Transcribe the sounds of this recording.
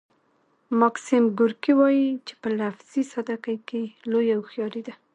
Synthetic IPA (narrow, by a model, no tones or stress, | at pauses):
mɑksimɡʊɾkiwɑjit͡ʃe̥pəlafz̥isad̪akajkelojawxjɑɾid̪a